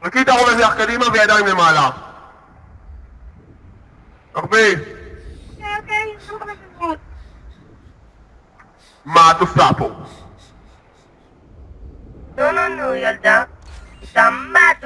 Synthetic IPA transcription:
akit̪aʁolazeaχkad̪imaveadajimlemaːla | aʁbe | keoke | ut̚ | mat̪ofapo | donanujald̪aitamat

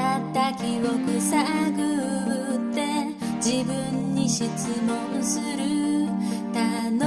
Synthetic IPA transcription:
t̪akiɾokɯsaɡɯ | t̪e | d͡ʑibɯnːiɕit͡sɯmosɯɾɯ | t̪a | n

